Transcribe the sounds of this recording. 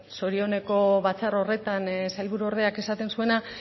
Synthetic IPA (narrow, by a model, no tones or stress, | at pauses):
so̞ɾio̞ne̞ko̞βat͡sarore̞t̪ansajlβuɾuo̞ɾðeake̞sat̪e̞nsue̞na